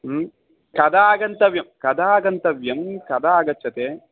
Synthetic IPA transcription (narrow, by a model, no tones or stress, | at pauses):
kɐd̪aaːɡɐnt̪ɐʋjɐmkɐd̪ʱaaːɡɐnt̪ɐʋjɐmkɐd̪ʱaːɡɐt͡ʃːt͡ʃːɐt̪eː